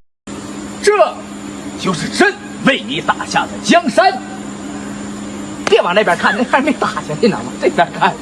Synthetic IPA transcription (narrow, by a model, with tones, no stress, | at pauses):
ʈ͡ʂɤ˥˩ | t͡ɕjo˥˧ʊʂɻ̩˥˩ʈ͡ʂə˥n | we˥˩ɪni˧˥t̪a˨˩ɕja˥˩d̪ə˩t͡ɕjɑ˥ŋʂa˥n | pjɛ˥˩nwɑ˨˩ŋn˥˩pʲja˧˥kʰa˥˩n˥xɪme˧˥˩t̪a˨˩t͡ɕʰjɛ˧˥njnɑ̰˨˩mɐ˧ʈ͡ʂɤ˥˩ɪpʲjɑ˧˥kʰa˥˩n